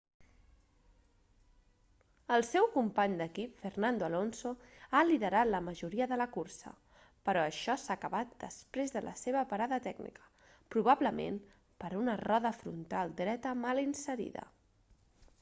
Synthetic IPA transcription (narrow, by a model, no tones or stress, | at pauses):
əlˠsɛwkumpaɲd̪əkipfernand̪oəlonsoaliðəɾat̪ləməʒuɾiəðələkuɾsə̰ | pəɾɔəʃɔsaːkəβat̪̚d̪əspɾezðəlʔə̰seβəpəɾaðət̪ɛɡnḭkə̥ | pɾuβ̞aβləmḛm | pəɾunərɔðəfɾṵnt̪alˠd̪ɾɛt̪əmalinsəɾḭðə̰